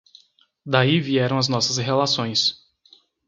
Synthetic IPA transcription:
d̪aiviɛɾɐ̃w̃ɐznɔsɐsɦelasõj̃s

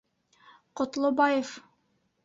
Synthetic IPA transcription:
qŏt̪lˠobɑjef

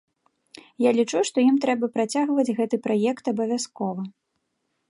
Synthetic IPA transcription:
jalʲit͡ʂuʂt̪ɔjimt̪ɾɛbɐpɾat͡sʲaɣvɐd͡zʲɣɛt̪ɨpɾajɛkt̪ɐbɐvʲaskɔvɐ

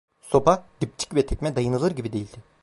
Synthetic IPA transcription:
so̞pad̪̥ip̚t͡ʃʰi̥cvɛt̪ʰɛcʲmɛd̪ajɯnɯlˠɯɾɟibid̪e̞jilʲd̪ɪ

